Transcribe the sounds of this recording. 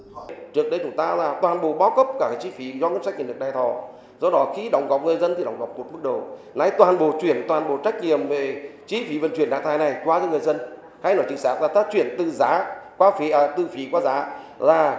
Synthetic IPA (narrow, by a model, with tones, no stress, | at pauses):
t͡ɕɨ˦˥ək̚ɗə˧jt͡ɕʊ˨˦ŋ͡mt̪aː˧laː˨˩t̪waː˨˩nɓo̰˧˨ɓaː˨˦wkə˦˥p̚kaː˧˩kaː˨˧˩t͡ɕi˨˦fi˨˦zɔ˧n˧˦˥tt͡ɕa˦˥k̚ɲ˧˨˩ɗək̚ɗaː˧˩jt̪ʰɔ˧˩ | zɔ˧ɗɔ˨˦xi˧˦ɗɔ˨˦wŋ͡mɣɔ˨˩wp̚ŋ˨˩əjzə˧nt̪ʰi˨˩ɗa˨˦wŋ͡mɣɔ˨˩p̚k͡p̚mo˨˩t̚mɨ˦˥k̚ɗə˨˩w | na˨˦jt̪waː˨˩nɓo˧˨t͡ɕwi˧˩ənt̪waː˨˩nɓo̰˨˧˨t͡ɕa˦˥k̟̚ɲi˨əmve˨˩t͡ɕi˨˦fi˨˦və˧˩nt͡ɕwi˧˩ənɗa̰ː˧˨t̪aː˧˨jna˨˩jkwaː˨˧˦zɔ˧˦ŋɨ˨˩əjzə˧n | ha˧˦jnɔ˨˩jt͡ɕï˧˦ŋsaː˦˥k̚laː˨˩t̪ʰaː˦˥k̚t͡ɕwi˧˩ənt̪ɨ˧˨za̰ː˨˦kwaː˨˦fi˨˦˨t̪ɨ˧fi˨˦kwaː˨˦za̰ː˨˦laː˨˩